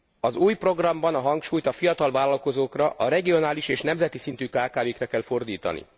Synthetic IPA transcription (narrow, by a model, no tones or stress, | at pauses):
ɒzuːjpro̞ɡrɒmbɒnɒɦɒŋkʃuːjt̪ɒfijɒt̪ɒlvaːlɒlko̞zoːkrɒʔɒɾɛɡijo̞naːliʃeːʃnɛmzɛt̪isint̪yːkaːkaːveːkrɛkɛlfo̞rd̪iːt̪ɒ̰nḭ